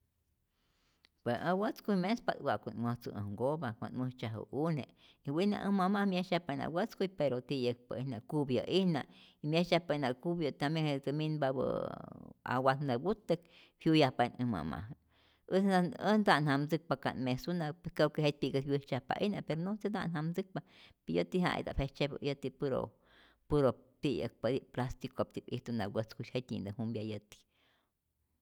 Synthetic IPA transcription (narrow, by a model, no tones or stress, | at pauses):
pesawət͡skujmespad̪wʷaʔkunməht͡sṵə̰ŋɡobakʷanmət͡ʃaɦṵʔune | iwina̰ʔəmamahmjeʃahpana̰wət͡skujpeɾot̪ijək̚pa̰ihnaʔkubja̰ʔihnaʔimjeʃahpaʔinakubjat̪amjeŋhet͡səminbabə̰ | a̰wat̪nabut̪ːək̚ | hjujahpanɨma̰ma̰h | əənd̪anhamd͡zɨk̚paka̰nmesunapeskakeɦet̪̚piɡəhwit͡ʃahpa̰ʔihnapeɾonosed̪a̰ʔnhamd͡zɨk̚papijət̪iɦa̰ḭd̪a̰pʰet͡ʃebə̰jət̪ipuɾo̰ | puɾot̪ijək̚pad̪iplast̪ikop̚t̪ipiht̪unawət͡skuʃhet̪ʲḭnd̪ɨhumbjajət̪i̥